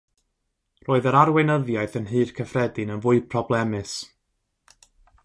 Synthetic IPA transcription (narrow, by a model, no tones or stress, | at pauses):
roːɨðəɾarwɪnəðjaɨθənɦɨːrkʰəfrɛdɨnənvʊɨpʰrɔblˠɛmɨs